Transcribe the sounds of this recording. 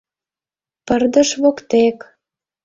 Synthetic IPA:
pərd̪əʃβokt̪ek

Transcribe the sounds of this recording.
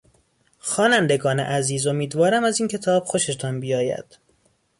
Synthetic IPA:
xɒːnænd̪e̞ɡɒːnḛʔæziːzo̞miːd̪vɒːɾæmæziːncʰe̞t̪ʰɒːb̥xo̞ʃet̪ʰɒnbijɒːjæ̰d̪̥

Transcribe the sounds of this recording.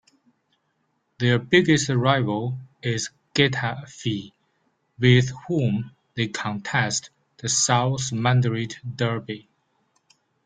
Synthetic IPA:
ðə˞bɪɡɨstəɹaɪvəlˠɪz | ɡ̥ɛtʰəfi | wɪð̥hũm | ðeɪkʰə̃ntʰɛst | ðəsaʊsmæ̃ndɹiddɜ˞bi

